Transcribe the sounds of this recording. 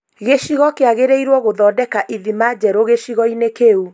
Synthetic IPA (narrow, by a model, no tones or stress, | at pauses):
ɣeʃiɣɔkeaɣeɾeiɾwɔɣoðɔːdɛkaʔiðimad͡ʑɛɾoɣeʃiɣɔinekeu